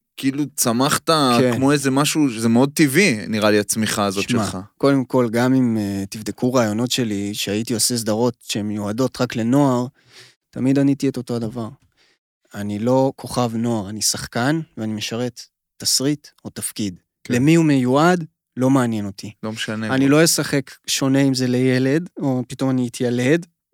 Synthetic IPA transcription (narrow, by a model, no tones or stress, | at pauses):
kiilut͡samaχt̪akekmo̞ezemaʃuzemeo̞d̪̚t̪iviniʁaliat͡smiχaːzoʃmemaχako̞de̞mko̞lɡamimet̪ivd̪ekuʁaːjo̞no̞tʃe̞liʃeajit̪iose̞s̬d̪aʁo̞tʃeemːejuado̞t̪ʁakle̞no̞aʁ | tamidanit̪ieto̞to̞adavaʁ | anilo̞kʰo̞χavno̞aʁanisaχkanveanime̞ʃaʁe̞t̪ː | asʁit̪o̞tafkid | lemiumejuad | lo̞maanje̞no̞tʰilomeʃaneanilo̞jesaχe̞kʃo̞ne̞imze̞lejele̞do̞pit̪o̞maniit̪ʰjale̞d